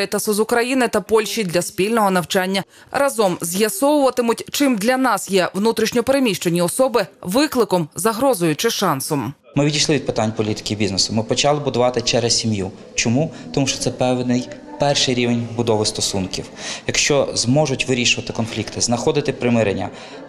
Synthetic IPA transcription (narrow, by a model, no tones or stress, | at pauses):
t̪ɐsɔzʊkɾɐjinɪt̪ɐpɔlʲʃid̪lʲɐspʲilʲnɔɦɔnɐwt͡ʃɑnʲːɐ | rʔɐzɔmzʲjɐsɔwʊʋɐt̪ɪmʊtʲt͡ʃɪmd̪lʲɐnɑsjɛʋnut̪ɾʲiʃnʲɔpeɾemʲiʃt͡ʃenʲiɔsɔbɪʋɪklˠɪkɔmzɐɦɾɔzʊjʊt͡ʃɪʃɑnsɔm | mɪʋʲidʲijʃlˠɪʋʲd̪̚pɪt̪anʲpɔlʲit̪ɪ̥kʲɪbʲiznesʊmɪpɔt͡ʃɑlˠɪbʊd̪ʊʋɑt̪ɪt͡ʃɛɾɛsʲsʲimju | t͡ʃɔmut̪ɔmuʃt͡ʃɔt̪sɛpɛʋnɪj | pɛrʃɪjɾʲiʋenʲbʊd̪ɔʋɪst̪ɔsunkʲiwjɐkʃt͡ʃɔzmɔʒʊtʲʋɪɾʲiʃʊʋɐt̪ɪkɔnflʲikt̪ɪznɐxɔd̪ɪt̪ɪpɾɪmɪɾenʲːɐ̰